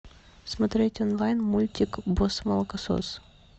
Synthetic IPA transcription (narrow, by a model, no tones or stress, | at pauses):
smɐt̪ɾʲetʲɔnlˠajnmulʲtʲɪkbosmɐlˠəkɐso̰s